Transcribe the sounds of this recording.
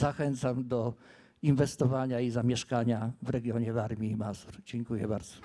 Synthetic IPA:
axɛnt̪samd̪ɔ | invɛst̪ɔvaɲaizamʲjɛʂkaɲavɾɛɡʲjɔɲɛvaɾmʲjiːmasuɾd͡ʑɛŋkujɛbaɾd̪zɔ̥

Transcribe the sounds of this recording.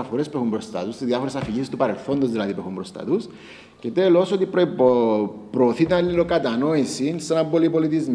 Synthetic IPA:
ɐfoɾe̞spue̞xumbɾo̞st̪ɐ̰t̪ust̪izðjɐfoɾe̞sɐfiʝist̪upɐɾe̞lθo̞nd̪ozðilɐðipuexumbɾost̪ɐ̰t̪us | ce̞t̪e̞lo̞so̞t̪ipɾ | pɾoːθit̪inɐlːilokɐt̪ɐno̞isinsenɐmbo̞lipo̞lit̪izm

